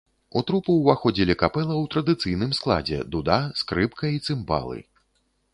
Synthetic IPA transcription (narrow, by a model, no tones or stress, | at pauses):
ut̪ɾupuwvaxɔd͡zʲilʲikapɛlˠɐwt̪ɾɐd̪ɨt̪sɨjnɨmsklˠa̰d͡zʲɛ̰d̪ud̪askɾɨpkɐit̪sɨmba̰lˠɨ̰